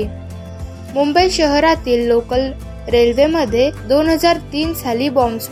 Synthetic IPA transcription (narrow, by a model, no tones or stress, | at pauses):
i | mumbəjɕəɦɾat̪iːlːokəl | ɾelʋeməd̪ʱːjed̪onɦəd͡zaɾt̪iːnsʰaliːbɔms